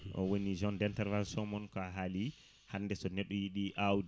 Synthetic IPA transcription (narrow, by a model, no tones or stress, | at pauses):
ʔɔ̰wonid͡ʒɔndɛntɛɾvansɔmɔnkaɦali | handɛsɔnɛɗːɔjiɗiʔawd